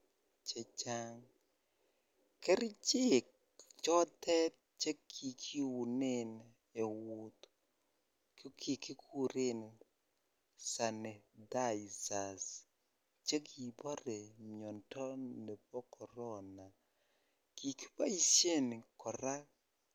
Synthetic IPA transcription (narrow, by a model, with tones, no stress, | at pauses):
t͡ʃe˨t͡ʃa˦ŋ | kɛ˦ɾt͡ʃɪ˦˨k | t͡ʃɔ˦t̪ɛ˦t̚t͡ʃe˦kʰi˨kʰi˦wu˨nɪ˦n | e˨wu˨t̪ | kkʰi˨ki˦ku˦ɾɪ˦n˨ | sa˨ne˨da˦i˨sa˨s | t͡ʃe˦ki˨bɔ˦ɾe˨mɔ˨ntɔ˦ne˨pɔ˦kɔ˨ɾɔ˦na˨ | ki˨ki̥˦ba˦i˨sje˦n˨kɔ˨ɾa˦